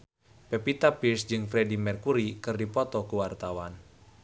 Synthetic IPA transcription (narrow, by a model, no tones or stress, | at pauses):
pɛpit̪apirsd͡ʒɨŋfɾɛdimɛrkuɾikɨrdipɔt̪ɔkuwart̪awan